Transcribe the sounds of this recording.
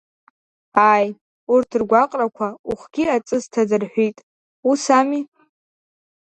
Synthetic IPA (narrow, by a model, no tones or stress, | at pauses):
aj | urtʰɨrɡʷaqʼrakʷʰauχʷɡ̥ʲiat͡sʼɨztʰadɨrħʷᶣijtʼ | usami